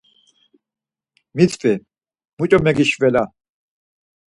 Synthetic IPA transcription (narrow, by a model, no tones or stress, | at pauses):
mit̪ʰpʼɛ | mut͡ʃʼɔmɛɡiʃvɛla